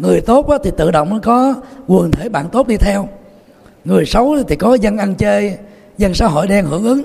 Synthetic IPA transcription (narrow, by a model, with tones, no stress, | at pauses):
ŋɨ˨˩əjt̪o˦˥t̚ʔaː˨˦t̪ʰi˨˩t̪ɨ̰˧˨ɗo̰˧˨wŋ͡mkɔ˨˦ɣu˨˩ənt̪ʰe˧˩˦ɓa̰ː˧˨nt̪o˦˥t̚ɗi˧t̪ʰɛ˧w | ŋɨ˨˩əjsə˨˦wt̪ʰi˨˩kɔ˨˦zə˧nʔa˧nt͡ɕe˧j | zə˧nsaː˨˦wɦo̰˧˨jɗɛ˧nhɨ̰˧˩əŋʔɨ˨˦ŋ